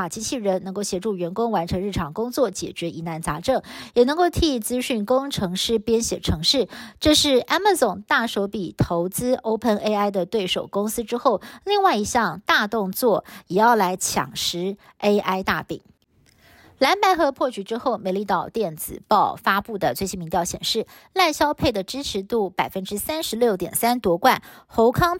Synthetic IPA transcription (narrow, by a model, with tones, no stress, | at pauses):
a˨˩t͡ɕi˥t͡ɕʰi˥˩ɻə˧˥nnɤ˧˥ŋko˥˩ʊɕjɛ˧˥ʈ͡ʂu˥˩ɥɛ˧˥nkʊ˥ŋwa˧˥nʈ͡ʂʰɤ˧˥ŋɻ̩˥˩ʈ͡ʂʰɑ˨˩ŋkʊ˥ŋt͡swɔ˥˩t͡ɕjɛ̰˨˩t͡ɕɥɛ˧˥i˧˥na˧˥nt͡sa˧˥ʈ͡ʂɤ˥˩ŋjɛ˨˩nɤ˧˥ŋko˥˩ʊt̪ʰi˥˩t͡sɹ̩˥ɕy˥˩nkʊ˥ŋʈ͡ʂʰɤ˧˥ŋʂɻ̩˥˩pjɛ˥nɕjɛ˨˩ʈ͡ʂʰɤ˧˥ŋʂɻ̩˥˩ʈ͡ʂɤ˥˧ʂɻ̩˥˩ʔa˥nma˧t͡sʊ˨˩ŋt̪a˥˩ʂo˧˥ʊpi˨˩t̪ʰo˧˥ʊt͡sɹ̩˥ʔo˥ʊpʰə˥˧ne˥ɪa˥˩ɪd̪ə˨t̪we˥˩ɪʂo˨˩ʊkʊ˥ŋsɹ̩˥ʈ͡ʂɻ̩˥xo˥˩ʊli˥˧ŋwa˥˩ɪi˧˥ɕjɑ˥˧ŋt̪a˥˧t̪ʊ˥˧ŋt͡swɔ˥˩jɛ˨˩jɑ˥˩ʊla˧˥ɪt͡ɕʰjɑ̰˨˩ŋʂɻ̩˧˥ | e˥ɪʔa˥ɪt̪a̰˥˩pḭ˨˩˦ŋ | la˧˥npa˧˥ɪxɤ˧˥pʰwɔ˥˩t͡ɕʰy˧˥ʈ͡ʂɻ̩˥xo˥˩ʊme˧˥ɪli˥˧t̪ɑ˥˧ʊt̪jɛ˥˩nt͡sɹ̩˨˩pɑ˥˩ʊfa˥pu˥˩d̪ə˩t͡swe˥˧t͡ɕʰi˥nmi˧˥ŋt̪jɑ˥˩ʊɕjɛ̰˨˩nʂɻ̩˥˩ | la˥˩ɕjɑ˥ʊpʰe˥˩ɪd̪ə˩ʈ͡ʂɻ̩˥ʈ͡ʂʰɻ̩˧˥t̪u˥˩pa˨˩ɪfə˥nʈ͡ʂɻ̩˥sa˥nʂɻ̩˧˥ljo˥˩ʊt̪jɛ˨˩nsa˥nt̪wɔ˧˥kwa̰˥˩nxo˧˥ʊkʰɑ˥ŋ